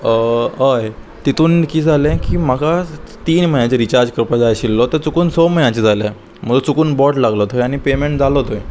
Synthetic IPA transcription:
ɦəj | t̪it̪ʰuːnkiːd͡zʱalẽkiːm̤akat̪iːnməãt͡ɕeɾit͡ɕaɾd͡zkəɾpad͡zajɕilːɔt̪əɾt͡sukuːnsomənãt͡ɕid͡zʱale | m̤əɡlot͡sukuːnbɔʈlaɡlɔt̪ʰojaɽ̃ipemeɳʈ̚d͡zʱalɔt̪oj

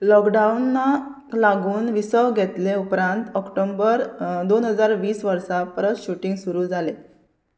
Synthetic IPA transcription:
lɔkɖaunːa | laɡuːnʋisəʋɡʱet̪leupɾãnt̪ɔkʈombəɾd̪onɦəd͡zaɾʋiːsʋəɾsapɾəsɕuʈĩŋɡsuɾuːd͡zʱale

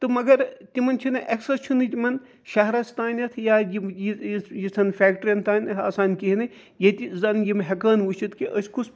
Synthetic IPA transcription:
t̪ɨmɐɡɐɾt̪ʲimɐnt͡ʃʰinɨʔɐksɐst͡ʃʰunɨt̪ʲimɐn | ʃɐɦɾɐsʰt̪aːnʲɐt̪ʰjaːjimjijisʰɐnfʲaːkʈɾiɐnt̪aːnʲɐa̰ːsaːnʲkiɦinɨ | jɐt̪ʲizɐnjimɦɐkaːnʋut͡ʃʰit̪kiʔɐsʲkus

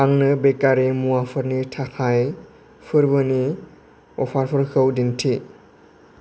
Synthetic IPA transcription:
aŋnɯbekaɾemuapʰɯɾnitʰakʰaj | pʰɯɾbɯni | ɔpʰaɾpʰɯɾkʰɯwdintʰi

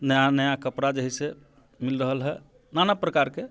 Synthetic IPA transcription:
nəjanəjakəpɾad͡ʒəɦise | milɾəɦəlɦɛ | nanapɾəkaɾke

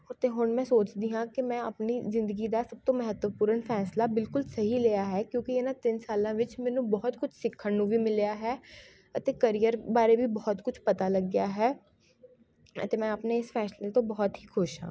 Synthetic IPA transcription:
t̪eːɦʊɳmɛ̃ːsoːt͡ʃd̪iːɦãːkɪmɛ̃ːə̰pniːzɪ̃nd̪əɡiːd̪aːsəb̚t̪õːməɦət̪ʋəpuːɾəɳfʰɛːslaːbɪlkʊlsəɦiːleːjaːɦɛːkjõːkienãːt̪ɪnsaːlãːʋɪt͡ʃmɛːnũːbɔːt̪kʊt͡ʃʰsɪkʰːəɳnũːʋiːmɪljaːɦɛː | ət̪eːkəɾiːjəɾbaːɾeːbiːbɔːt̪kʊt͡ʃʰpət̪aːləɡɪjaːɦɛː | ə̰t̪eːmɛ̃ːəpneɪsfʰɛːslet̪õːbɔːɔt̪ɦiːkʰʊʃɦã̰ː

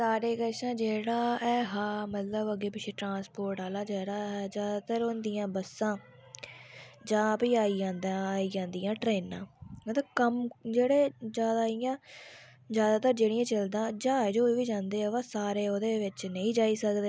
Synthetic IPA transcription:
saːɾeːkəʃãːd͡ʒeːɽaːɛːɦãːmət̪ləbəɡeːpɪt͡ʃʰeːʈɾãːspoːɾʈaːlaːd͡ʒaːɽaːɦɛːd͡ʒjaːd̪aːt̪əɾond̪ijãːbəsːãː | d͡ʒãːpiːaːiːd͡ʒãːnd̪ãːiːd͡ʒãːnd̪ijãːʈɾeːnã̰ːmət̪ləbkəmd͡ʒeːɽeːzjaːd̪aːijãː | d͡ʒjaːd̪aːt̪əɾd͡ʒeːɽijãːt͡ʃəld̪ãːd͡ʒaːd͡ʒoːiːʋiːd͡ʒãːnd̪eːɛːaːsaːɾeːoːd̪eːʋɪt͡ʃnə̃ĩːd͡ʒaːiːsəkd̪eː

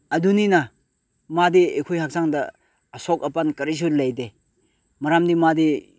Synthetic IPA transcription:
adunina | madiḛkʰujhak̚saŋdɐ̰ː | sɔk̚apankɐɾis̬uɾlajde | maɾamdimadi

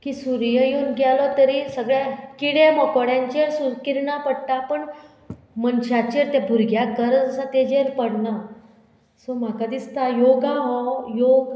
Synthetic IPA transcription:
kiːsuɾjəjenɡalɔt̪əɾisəɡɭjakiɽeməkoɽjãɲt͡ɕeɾsukiɾɳapəɽt̪apəɳ | mənɕat͡ɕeɾt̪ɛbʱuɾɡʱjakəɾəd͡zəsat̪ed͡ʑeɾpəɽna | sɔm̤akad̪ist̪ajoɡaɦɔjoɡ

